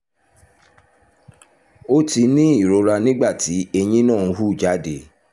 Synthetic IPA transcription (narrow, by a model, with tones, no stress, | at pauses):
o˦ti˧˦nĩ˦i˦˨ɾo˨˧ɾa˧nĩ˦ɡ͡ba˦˨ti˨˦e˧j̃ĩ˦nãː˦˨˧ɦu˦˨d͡ʒa˨˦de˨